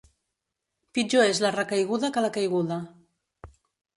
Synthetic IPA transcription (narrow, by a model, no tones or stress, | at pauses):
pid͡ʒoezlarəkajɣuðakalakajɣuða